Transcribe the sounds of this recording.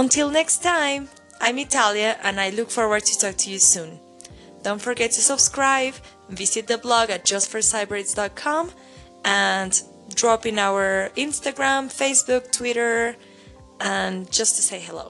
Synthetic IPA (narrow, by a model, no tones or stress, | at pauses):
ə̃ntʰɪlˠnɛkstʰãɪ̃m | ʔãɪ̃mitʰalˠjɨʔɨ̃najlʊkfɔɹwə˞d̚tʰɨtʰɔk̚tʰɨjɨsũn | d̥õʊ̃ntfə˞ɡɛtʰːɨsəb̥skɹaɪv | vɪzɨt̪̚ðəblɔɡɨt̚ʒ̥ʌsfə˞saɪbɹɪtsdɑt̚kʰɑ̃m | ʔə̃n | dɹɔpɪ̃naʊə˞ɪ̃nstɨɡɹæ̃mfeɪsb̥uk̚tʰwɪɾə˞ | ə̃nd͡ʒʌstʰu̥seɪɦɛlo̰ʊ